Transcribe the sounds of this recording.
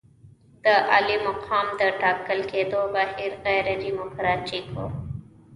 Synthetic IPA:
d̪əʔɐ̰limɐqʰaːmd̪əʈaːkəlkeːd̪oːbaːɦiɾɣɛːɾed̪imokɾaːt͡ʃikʰo̰ː

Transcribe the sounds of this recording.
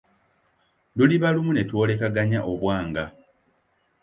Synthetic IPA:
luliβalumune̞two̞ːle̞kaɡaɲaʔoβwaːŋɡa

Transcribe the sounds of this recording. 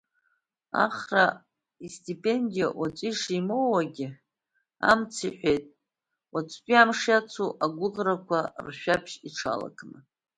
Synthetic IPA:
a̰χra | istʰʼipʼe̞ndijawat͡sʷʼiʂimowaɡʲɪ | a̰mt͡sʰiħʷᶣejtʼ | wat͡sʷʰʼkʲʼiamʂjat͡sʰuʔaɡʷʊʁrakʷʰarʃᶣapʰʃiʈ͡ʂʰa̰la̰kʼʰnɨ

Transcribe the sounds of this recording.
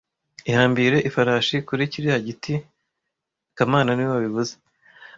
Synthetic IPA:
ihaːmbiɾe̞ʔifaɾaːʃikuɾiciɾihaɟiti | kamaːnaniwoβaβiβuze̥

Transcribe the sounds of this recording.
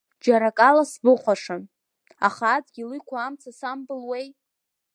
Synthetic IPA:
d͡ʒaɾakʼalasbɨχʷaʂɨn | a̰χad͡zɡʲilɨjkʷʰaːmt͡sʰasambɨlwej

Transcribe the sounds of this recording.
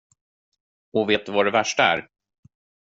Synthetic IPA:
ɔveːt̪vaɖɛvæʂʈaæ̰ːɾ

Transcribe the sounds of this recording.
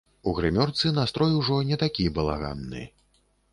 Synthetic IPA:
uɣɾɨmʲɔrt̪sɨnast̪ɾɔjwʐɔnʲɛt̪akʲibɐlˠa̰ɣa̰nːɨ̰

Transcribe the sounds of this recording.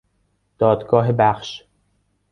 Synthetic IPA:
d̪̥ɒːd̪ɡɒːɦebæxʃ

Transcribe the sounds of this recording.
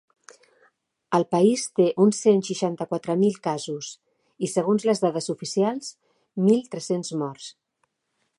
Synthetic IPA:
əlˠpəist̪eʔunsenʃiʃant̪əkwat̪ɾəmilˠkazus | isəɣ̞unzləzðaðəzufisialˠz | milˠt̪ɾɛsenzmɔrs

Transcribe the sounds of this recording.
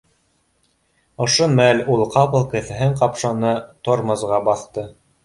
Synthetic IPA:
ŏʃomælʲulˠqɑpɤ̆lˠkɘ̆θɘ̆ɦɘɴqɑpʃɑnɤt̪oɾmɤ̆zʁɑbɑθt̪ɤ

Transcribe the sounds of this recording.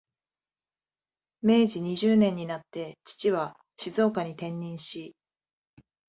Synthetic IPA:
me̞ːʑiɲ̟iʑɨːnẽ̞ɲ̟ːinat̪ːe̞t͡ɕi̥t͡ɕiβa | ɕizo̞ːkaɲ̟it̪ẽ̞ɲːĩɰ̃ɕi

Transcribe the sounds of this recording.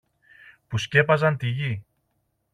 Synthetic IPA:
pusce̞pɐzɐnt̪iʝi

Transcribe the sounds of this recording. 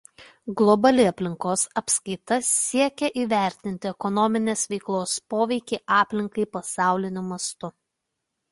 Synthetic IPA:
ɡlˠɔbɐlʲɪɐpʲlʲɪŋkoːsɐpskɐɪt̪ɐsʲiɛkʲɛʔiːʋʲæˑɾʲt̪ʲɪnʲt̪ʲɪɛkɔnɔmʲɪnʲeːsʋʲɛɪklˠoːspoːʋʲɛɪkʲɛːʔɑːpʲlʲɪŋkɐɪpɐsɑˑʊlʲɪnʲʊmɐst̪ʊ

